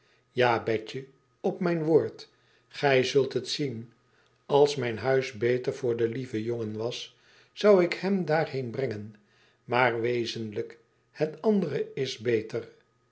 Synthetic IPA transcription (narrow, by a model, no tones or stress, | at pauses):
jaːbɛcə | ɔpmɛjnʋoːɹt | χɛjzɵlˠtɦətsin | ɑlˠsmɛjnɦœɥzbejtəɹv̥ʊːɹdəlivəjoŋənʋɑs | sɑwɪkhɛmdaːɹhejnbrɛŋən | maːɹʋejzənlək | hətɑndərəɪzbejtər